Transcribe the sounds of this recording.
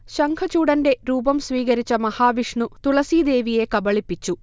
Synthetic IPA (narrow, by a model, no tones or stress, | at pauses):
ʃɐŋkʰɐt͡ʃuːɽɐnɖe̞ɾuːbɐmsʋiːkɐɾit͡ʃːɐmɐhaːʋiʂɳut̪ulɐsiːd̪e̞ːʋije̞kɐbɐɭipːit͡ʃːu